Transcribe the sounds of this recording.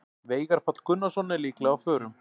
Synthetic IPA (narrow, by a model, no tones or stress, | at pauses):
veːjɣaɾ̥pʰat̪l̥kʰʏnːasɔnːɛliːklɛɣawfœːɾʏm